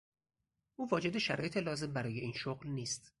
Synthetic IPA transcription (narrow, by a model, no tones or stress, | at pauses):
ʔuːvɒːd͡ʒe̞d̪e̞ʃæɾɒ̰ːjet̪ʰelɒːze̞mbæɾɒːje̞iːnʃoɣlniːst̪